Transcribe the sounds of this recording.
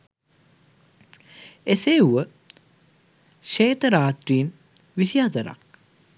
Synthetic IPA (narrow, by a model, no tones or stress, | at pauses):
eseːuʋə | ʃeːt̪əɾaːt̪ɾiːn | ʋisiat̪əɾa̰k̚